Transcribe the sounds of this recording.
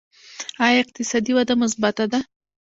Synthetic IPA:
ɑjaɪq̚t̪ɪsɑd̪iwad̪amʊs̬bat̪ad̪a

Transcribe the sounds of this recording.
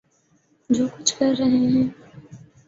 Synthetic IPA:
d͡ʒoːkʊt͡ʃʰkɐɾːɐɦeɦɛ̃ː

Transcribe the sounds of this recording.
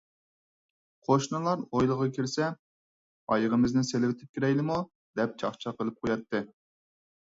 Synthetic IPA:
qʰoʃnɨlˠɑɾojlˠəʁɑkʲʰiɾsɛ | ɑjəʁəmɪznɪselɪvɪt̪ʰɪ̥p̚kʲiɾɛjlɪmu | d̪ɛp̚t͡ʃʰɑχt͡ʃʰɑqəlˠɨp̚qʰojɑt̪ːɨ

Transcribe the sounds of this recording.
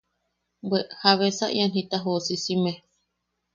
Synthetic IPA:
beʔhaβesa̰ʔj̰anhit̪aɦosisime

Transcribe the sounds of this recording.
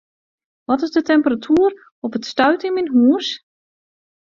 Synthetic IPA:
ʋɔtɪzdətɛmpəratʰyːr | ɔpətstœɥtɪnminɦuəs

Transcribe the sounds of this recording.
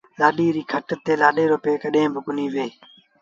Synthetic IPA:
laːɗiːɾiːkʰəʈət̪ːeːlaːɗeːɾoːpeːkəɗɦẽːbʱɪkʊniːʋeː

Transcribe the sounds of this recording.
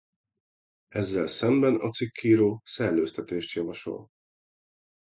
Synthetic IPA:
ɛzːɛlsɛmbɛnɒt̪sikʰːiːɾoːsɛrløːst̪ɛt̪eːʃt̪jɒvɒʃo̞̰l

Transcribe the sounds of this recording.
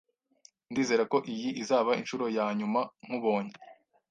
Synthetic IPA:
ndiːze̞ɾako̞ʔijiʔizaːβaḭnʃuɾo̞jaːɲumaŋ̥huβo̞ːɲe

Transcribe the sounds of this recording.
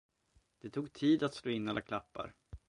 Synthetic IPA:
d̪̥ɛt̪ʰuːɡ̚t̪ʰiːd̪at̪sloːɪnːalːʔakʰlapːa̰ɾ

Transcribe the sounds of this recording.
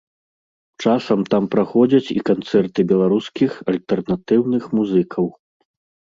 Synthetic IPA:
t͡ʂasɐmt̪ampɾaxɔd͡zʲɐt͡sʲḭkant̪sɛrt̪ɨbʲɛlˠaɾuskʲixɐlʲt̪ɛrnat̪ɨwnɨxmuzɨkʰɐw

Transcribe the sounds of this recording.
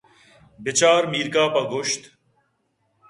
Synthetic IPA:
bɪt͡ɕaːɾmiːɾkaːpɐɡʊʃt̪

